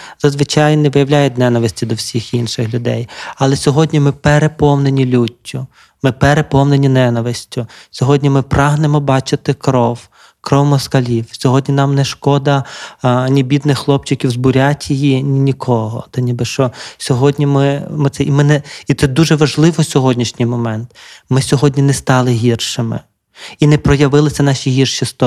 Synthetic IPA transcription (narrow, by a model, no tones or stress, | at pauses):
z̥ɐzʋɪt͡ʃɑjnɛʋɪjɐwlʲajʊtʲnɛnɐʋɪsʲtʲid̪ɔwsʲixinʃɪxlʲʊd̪ɛ̰jɐlˠɛsʲɔɦɔdʲnʲimɪpeɾepɔwnenʲilʲutʲʰːʊ | mɪpeɾepɔwnenʲinɛnɐʋɪsʲtʲʊsʲɔɦɔdʲnʲimɪpɾɑɦnemɔbɑt͡ʃɪt̪ɪkɾɔw | kɾɔwmɔskɐlʲiwsʲɔɦɔdʲnʲinɑmnɛʃkɔd̪ɐ | nʲibʲid̪nɪxːlˠɔp̚t͡ʃɪkʲiwzbʊɾʲatʲjijinʲinʲikʰɔɦɔ̰t̪ɐnʲibɪʃt͡ʃɔsʲɔɦɔdʲnʲimɪmɪt̪sɛʔimɪnɛit̪sɛd̪uʒɛʋɐʒlˠɪʋɔsʲɔɦɔdʲnʲiʃnʲɪjmɔmɛnt̪mɪsʲɔɦɔdʲnʲinɛst̪ɑlˠɪɦʲirʃɪmɪ̰ | inɛpɾɔjɐʋɪlˠɪsʲɐnɑʃʲiɦʲirʃist̪ɔ